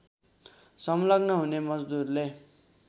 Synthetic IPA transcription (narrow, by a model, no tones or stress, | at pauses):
sʌmlʌɡnʌɦunemʌd͡zd̪urle